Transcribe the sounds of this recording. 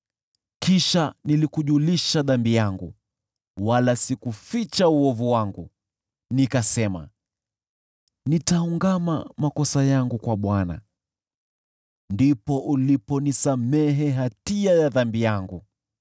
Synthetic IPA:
kiʃanilikuʄuliʃaðambijaŋɡṵ | walasikufit͡ʃauɔvuwaŋɡu | nikasɛma̰ | nitauŋɡamamakɔsajaŋɡukwaɓwana̰ | ndipɔʔulipɔnisamɛɦɛɦatiajaðambijaŋɡu

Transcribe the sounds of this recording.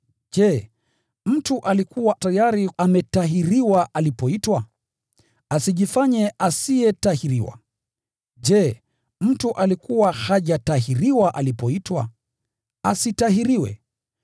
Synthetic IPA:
ʄɛ | m̩tuʔalikuwatajaɾiamɛtaɦiɾiwaʔalipɔitwa | asiʄifaɲɛʔasiɛtahiɾiwa̰ | ʄɛ | m̩tuʔalikuwahaʄataɦiɾiwaʔalipɔitwa̰ | asitaɦiɾiwɛ̰

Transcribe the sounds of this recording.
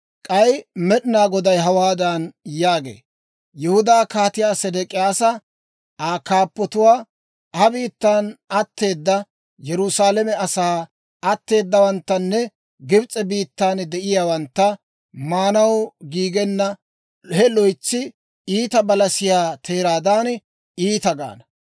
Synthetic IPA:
kʼɐjmɛɗɪnaːɡɔd̪ɐjɦɐwaːd̪ɐnjaːɡḛː | jʊhʊd̪aːkaːt̪ɪjaːsɛd̪ɛkʼɪjaːsɐ | aːkaːpːɔt̪ʊwaː | hɐbiːt̪ːaːnɐt̪ːe̞ːd̪ːɐ | jɛɾʊsaːlɛmɛɐsaː | ɐt̪ːe̞ːd̪ːɐwɐnt̪ːɐnːɛ | ɡɪbt͡sʼɛbiːt̪ːaːnd̪ɛʔɪjaːwɐnt̪ːɐ | maːnɐwɡiːɡɛnːɐ | hɛlɔjt͡sːɪ | iːt̪ɐbɐlɐsɪjaːt̪ʰeːɾaːd̪aːn | iːt̪ɐɡa̰ːnɐ

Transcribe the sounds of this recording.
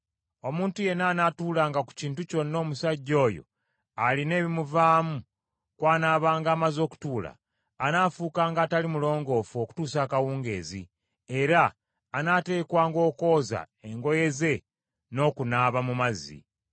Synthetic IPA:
o̞muːntuje̞naːnatuːlaːŋɡaku̥ciːntuco̞nːo̞ːmusaɟːo̞ːjo̞̰ | aline̞ːβimuvaːmu | kwaːnaːβaːŋɡaːmazo̞ːku̥tuːla̰ː | naːfuːkaːŋɡaːtalimulo̞ːŋɡo̞ːfuo̞ku̥tuːsaːkawuːŋɡe̞̰ːzḭ | e̞ɾaː | nate̞ːkwaːŋɡo̞ːko̞ːza̰ | e̞ŋɡo̞je̞ze̞ | no̞ːkunaːβamumazḭ

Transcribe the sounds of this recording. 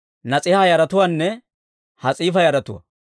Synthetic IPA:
nɐt͡sʼɪhajɐɾɐt̪ʊwaːnːɛ | hɐt͡sʼiːfɐjɐɾɐt̪ʊwa̰

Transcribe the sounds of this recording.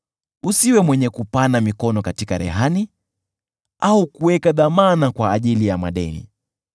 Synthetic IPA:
usiwɛmwɛɲɛkupanamikɔnɔkatikaɾɛ̰ɦani | aukuwɛkaðamanakwaːʄilijamaɗɛ̰nḭ

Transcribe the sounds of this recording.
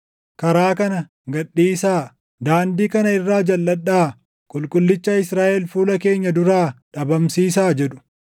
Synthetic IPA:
kɐɾaːkɐnɐ | ɡɐɗːiːsaː | d̪aːnd̪iːkɐnɐɪrːaːd͡ʒɐlːɐɗːaː | kʼʊlkʼʊlːɪt͡ʃːɐɪsɾaːʔɛlfuːlɐke̞ːɲːɐd̪ʊɾaːᶑɐbɐmsiːs̬aːd͡ʒɛᶑʊ̥

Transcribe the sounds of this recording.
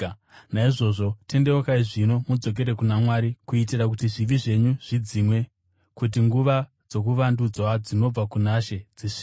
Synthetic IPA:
naiʐo̞ʐo̞tʰe̞nde̞wokaiʐino̞mud͡zo̞k̬e̞ɾe̞kunamwaːɾikuit̬irak̬utiʐiʋiʐe̞ɲuʐ̥id͡zimwe̞ | kut̬iŋɡuʋa | d͡zo̞k̬uʋandud͡zwad͡zino̞b͡vakunaʃe̞d͡ziʂi̥

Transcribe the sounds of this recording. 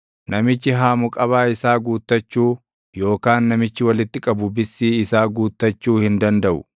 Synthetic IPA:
nɐmɪt͡ʃːɪɦaːmʊkʼɐβaːɪsaːɡuːt̪ːɐt͡ʃːuː | jo̞ːkaːnːɐmɪt͡ʃːɪwɐlɪt̪ːɪkʼɐbʊbɪsːiːɪsaːɡuːt̪ːɐt͡ʃːuːhɪnd̪ɐnd̪ɐʔʊ

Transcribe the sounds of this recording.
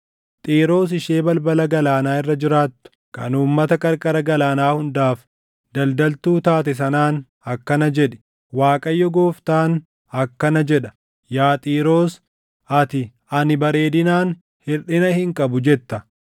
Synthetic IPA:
t̪ʼiːɾo̞ːs̬ɪʃeːbɐlbɐlɐɡɐlaːnaːɪrːɐd͡ʒɪɾaːt̪ːʊ̥kɐ̰nuːmːɐt̪ɐkʼɐɾkʼɐɾɐɡɐlaːnaːhʊnd̪aːf | d̪ɐld̪ɐlt̪uːt̪aːt̪ɛs̬ɐnaːn | ɐkːɐnɐd͡ʒɛᶑɛ̥ | waːkʼɐjːɔɡoːft̪aːn | ɐkːɐnɐd͡ʒɛᶑɐ̥ | jaːt̪ʼiːɾo̞ːs | ɐt̪ɪ | ɐnɪbɐɾe̞ːd̪ɪnaːn | hɪᶑɪnɐhɪŋkʼɐbʊd͡ʒɛt̪ːɐ

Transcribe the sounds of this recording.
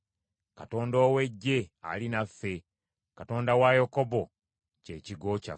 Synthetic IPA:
kato̞ːndoːwe̞ɟːe̞a̰linafːe̞ | kato̞ːndawajokobo̞ | ceːciɡo̞ca̰

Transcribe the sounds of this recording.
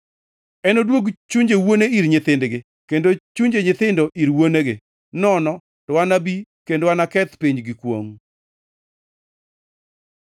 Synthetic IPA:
ɛnodwoɡt͡ʃuɲd͡ʒewoneiɾɲɪt̪ɪndɡɪ | kendot͡ʃuɲd͡ʒeɲɪt̪ɪndoʔiɾwoneɡɪ | nɔnɔ | tɔwanabikendowanakɛt̪piɲd͡ʒɡɪkwo̰ŋ

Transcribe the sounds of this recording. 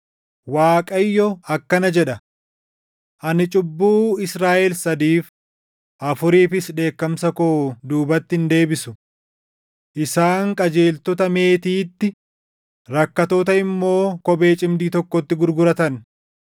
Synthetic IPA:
waːkʼɐjːɔɐkːɐnɐd͡ʒɛᶑɐ | ʔɐnɪt͡ʃʼʊbːuːɪsɾaːʔɛlsɐd̪iːf | ʔɐfʊɾiːfɪsᶑe̞ːkːɐmsɐkoːd̪uːbɐt̪ːɪɪnd̪e̞ːbɪsʊ | ʔɪsaːŋkʼɐd͡ʒe̞ːlt̪ɔt̪ɐme̞ːt̪iːt̪ːɪ | ɾɐkːɐt̪oːt̪ɐɪmːo̞ːkɔbe̞ːt͡ʃʼɪmd̪iːt̪ɔkːɔt̪ːɪɡʊɾɡʊɾɐt̪ɐn

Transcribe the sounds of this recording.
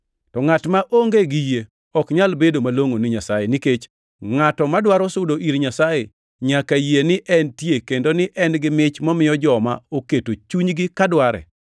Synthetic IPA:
tɔŋatmaʔoŋɡeɡije | ɔkɲalbedomaloŋonɪɲasajeniket͡ʃ | ŋatɔmadwaɾɔsʊdoʔiɾɲasaje | ɲakajenɪʔɛntjekendonɪʔɛnɡɪmɪt͡ʃmɔmɪjɔd͡ʒɔma̰oketot͡ʃuɲɡɪkadwaɾɛ̰

